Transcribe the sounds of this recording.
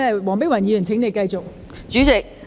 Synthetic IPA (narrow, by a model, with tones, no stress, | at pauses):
wɔː˨˩ŋpɪ˥ŋwɐ˨˩njiː˨˥y˨˩nt͡sʰɪ˨˥ŋne˨˧jkɐ˧jt͡sʊ˨k̚ | t͡ʃyː˨˥t͡sɪ˨k̚